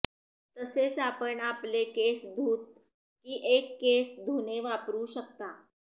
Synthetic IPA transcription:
t̪əset͡sapəɳaplekesd̪ʱuːt̪̚ | kiːʔekːesd̪ʱuneʋapɾuːɕəkt̪a

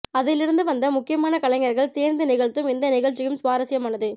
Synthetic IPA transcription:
ɐðɪlɪɾɯnd̪ɯʋɐnd̪ɐmʊkːɪjɐmaːnɐkɐɭɐŋɡɐɾɣɐɭseːɾnd̪ɐnɪɣɐɭt̪ːɯmɪnd̪ɐnɪɣɐɻt͡ʃːɪjɯmsʋaːɾɐsɪjɐmaːnɐðɯ

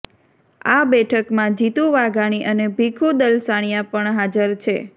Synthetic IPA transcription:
a̰bɛʈʰəkmãd͡ʒit̪ũʋaɡaɽ̃iʔənebʱikʰud̪əlsaɽ̃ijapəɳɦad͡ʒəɾt͡ʃʰe

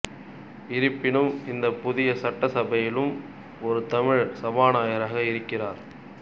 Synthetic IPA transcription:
ɪɾɯpːɪnɯmɪnd̪ɐpʊðɪjɐsɐʈːɐsɐbɐjɪlɯm | ɔɾɯt̪ɐmɪɻsɐbaːnaːjɐɾaːɣɐɪɾɯkːɪraːɾ

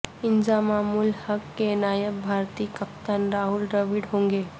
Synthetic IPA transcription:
ɪnd͡ʒamaːmuːlhəkːenaːjəbʱaːɾt̪iːkəp̚t̪ənɾaːɦʊlɖəʋiɖɦõːŋɡeː

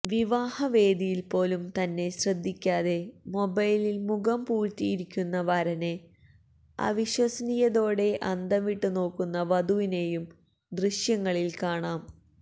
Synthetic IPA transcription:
ʋiʋaːhɐʋe̞ːd̪ijilpo̞ːlumt̪ɐnːe̞ɕrɐd̪ʱːikʲːaːðe̞mo̞bɐjlilmuɡɐmpuːɻtːijiɾikʲːunːɐʋɐɾɐne | ɐ̰ʋiɕwɐsniːjɐðo̞ːɽe̞ʔɐnd̪ʱɐmiʈːuno̞ːkːunːɐʋɐd̪uʋine̞ːjum | d̪riɕjɐŋːɐɭilkaːɳaːm

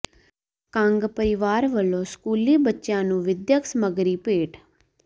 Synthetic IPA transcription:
kãŋɡpəɾɪʋaːɾʋəlõːskuːliːbətːʃjãːnũːʋɪd̪jəksməɡɾiːpeːʈ

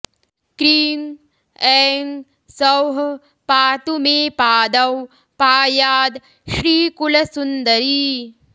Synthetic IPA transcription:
kɾiːŋ | ɛːŋɡ | sɐwɦ | paːt̪umeːpaːd̪ɐw | paːjaːd̪ | ʃɾiːkulɐsund̪ɐɾiː

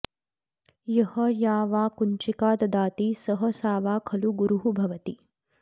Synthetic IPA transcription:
jɐhɐjaːʋaːkuɲt͡ʃikaːd̪ɐd̪aːt̪isɐɦɐsaːʋaːkʰɐluɡuɾuɦubʱɐʋɐt̪i

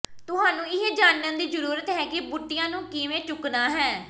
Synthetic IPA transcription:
t̪ʊɦaːnũːɪɦeːd͡ʒaːnjãːd̪iːd͡ʒəɾuːɾət̪ɦɛːkɪbʊʈːɪjãːnũːkɪːʋẽːt͡ʃʊknaːɦɛː

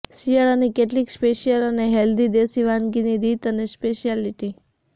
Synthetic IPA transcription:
sijəɭanikeʈliːkspeʃijələneɦeld̪id̪esiʋanɡinid̪it̪ənespeʃialiʈi

